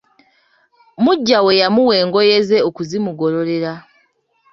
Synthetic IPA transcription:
muɟːawe̞jamuwe̞ːŋɡo̞je̞ze̞okuzimuɡo̞ɾo̞ɾe̞ɾa

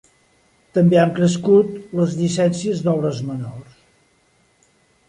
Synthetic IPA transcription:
t̪əmbeaŋkɾəs̬kut̪ləzʎisɛnsiəzðɔβɾəzmənors

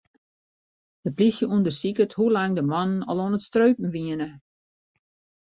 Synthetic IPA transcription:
d̥əplisjəuəndərsikəthulaŋdəmɔnənɔlˠoənətstrøɥpn̩ʋiənə

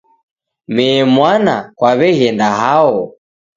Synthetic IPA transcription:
mɛːmwanakwaβɛɣɛndahaɔ

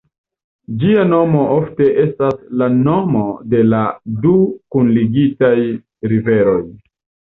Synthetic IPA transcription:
d͡ʒiano̞mo̞ʔo̞fte̞ʔe̞staslano̞mo̞de̞ladukunliɡitaj | ɾive̞ɾo̞j

